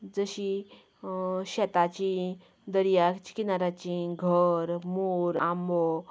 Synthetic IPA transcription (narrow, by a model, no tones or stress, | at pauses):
d͡zəɕi | ɕɛt̪at͡ɕi | d̪əɾijakt͡ɕi̥kinaɾat͡ɕĩɡʱəɾmuɾãmo